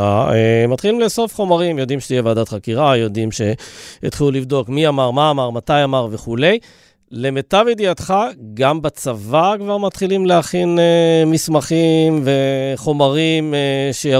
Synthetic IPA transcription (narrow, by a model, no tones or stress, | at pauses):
aemat̪χilimleso̞fχo̞maʁimjo̞d̪imʃet̪ijevaːd̪at̪χakiʁajo̞d̪imʃe̞et̪χilulivd̪o̞kmiamaʁmaːmaʁmat̪ajamaʁve̞χule̞j | le̞met̪aved̪iat̪χaɡambat͡savakvaʁmat̪χilimleaχinemismaχimveχo̞maʁimeʃeja